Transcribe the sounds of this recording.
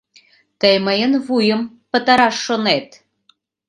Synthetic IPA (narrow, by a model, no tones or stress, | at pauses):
t̪əjməjənβujə̆m | pə̆t̪ɑɾɑʃːonet̪